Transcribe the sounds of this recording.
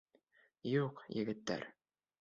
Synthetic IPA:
juqjɘ̆ɡɘ̆t̪ːæ̰ɾ

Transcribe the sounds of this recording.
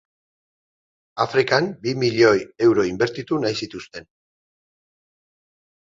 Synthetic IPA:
afɾikambimiʎo̞je̞wɾo̞imbe̞ɾt̪it̪unajsit̪ust̪e̞n

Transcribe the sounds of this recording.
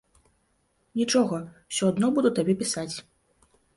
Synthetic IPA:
nʲit͡ʂɔɣɐwsʲɔad̪nɔbud̪ɛt̪abʲɛpʲisat͡sʲ

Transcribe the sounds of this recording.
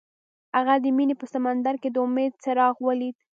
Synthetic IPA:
haɣad̪əminepəsamand̪aɾked̪əʊmed̪̚t͡saɾɑɣwəlid̪̚

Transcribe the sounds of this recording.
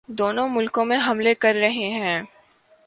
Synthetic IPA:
d̪oːnõmʊlkõmẽɦɐmlekɐɾːɐɦeɦɛ̃ː

